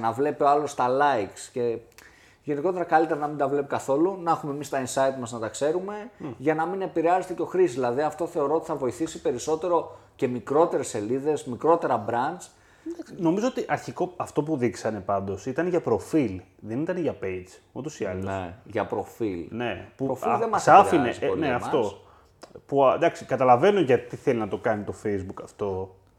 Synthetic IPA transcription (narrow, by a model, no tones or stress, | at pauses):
ɐnɐvle̞pioɐlo̞st̪ɐlɐjksce̞ | ʝe̞niko̞t̪e̞ɾɐkɐlit̪e̞ɾɐnɐmind̪ɐvle̞pikɐθo̞lunɐxume̞mist̪ɐinsɐit̪mɐznɐt̪ɐkse̞ɾume̞ʝɐnɐmine̞piɾeɐze̞t̪e̞co̞xɾiszðilɐðiɐft̪o̞θe̞oɾo̞ot̪i̥θɐvo̞iθisipe̞ɾiso̞t̪e̞ɾo̞ce̞mikɾo̞t̪e̞ɾe̞se̞liðe̞zmikɾo̞t̪e̞ɾɐbɾɐnd͡ʒ | d̪ɐsno̞mizo̞ot̪iʔɐɾçiko̞ɐft̪opuðiksɐne̞pɐnd̪o̞sit̪ɐneʝɐpɾo̞filðe̞nit̪ɐneʝɐpejd͡zot̪osiɐlosʝɐpɾo̞filne̞puofðemɐssɐfinesneɐmfɐt̪o̞ | pud̪ɐksikɐt̪ɐlɐve̞no̞ʝɐt̪iθe̞linɐt̪o̞kɐnit̪o̞fejzbukɐft̪o̞